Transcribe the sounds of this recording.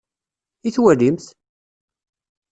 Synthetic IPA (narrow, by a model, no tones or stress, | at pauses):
iθwælimθ